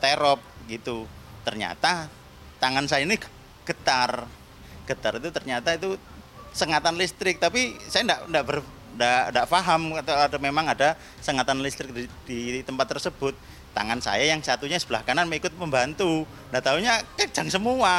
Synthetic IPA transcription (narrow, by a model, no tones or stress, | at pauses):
t̪eɾɔp̚ɡit̪ut̪ərɲa̰t̪a | t̪aŋansajaini | ɡ̥ət̪ar | ɡ̥ət̪aɾit̪ut̪ərɲat̪ait̪u | səŋat̪anlist̪ɾɪk̚t̪apisajandaʔndaʔbər | ndaʔndaʔfaɦamat̪aadamemaŋada | səŋat̪anlist̪ɾɪk̚did̥it̪əmpat̪ːərsəb̥ʊt̪̚ː | a̰ŋansa̰jajaŋsat̪uɲasəb̥əlahkananmikʊt̪̚məmbant̪u | ndaʔt̪auɲakḁd͡ʒ̥aŋsəmua